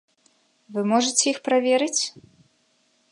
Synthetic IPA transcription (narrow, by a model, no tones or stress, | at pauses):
vɨmɔʐɨt͡sʲɛjixpɾavʲɛɾɨt͡sʲ